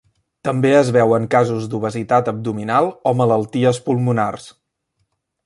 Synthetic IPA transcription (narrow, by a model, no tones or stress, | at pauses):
t̪əmbeəzβɛwəŋkazuzd̪uβəzit̪at̪əb̚d̪uminalˠɔmələlˠt̪iəspulˠmunars